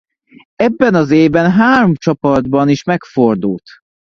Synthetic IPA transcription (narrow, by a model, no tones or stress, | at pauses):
ɛbːɛnɒzeːvbɛnɦaːɾomt͡ʃɒpɒd̪bɒniʃmɛkfo̞rd̪ult̪